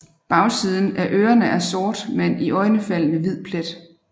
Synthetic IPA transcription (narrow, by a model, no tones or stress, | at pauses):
b̥ɑ̈ʊsið̞ˠn̩ʔæʔøːɐnəʔæɐsɔːd̥meniʔɒ̽ɪnəfæl̰nəʋið̞̰ˠpʰled̥